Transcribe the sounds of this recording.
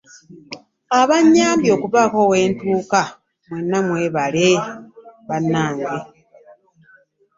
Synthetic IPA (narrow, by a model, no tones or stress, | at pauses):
aβaɲːaːmbjo̞ːkuvako̞we̞ːntuːka | mwe̞nːamwe̞ːβale | βanːaːŋɡe